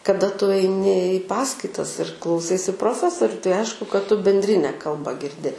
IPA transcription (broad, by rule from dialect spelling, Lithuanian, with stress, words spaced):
kɐˈdɐ tʊ ɐɪˈnʲɪ ɪ ˈpɑːskɐɪtɐs ɪr klˠɐʊˈsɐɪsʲɪ proːˈfʲæːsoːrʲʊ tɐɪ ˈɐɪʃkʊ kɐt tʊ bʲɛnʲdʲˈrʲɪnʲɛ ˈkɐlˠbɐ ɡʲɪrʲˈdʲɪ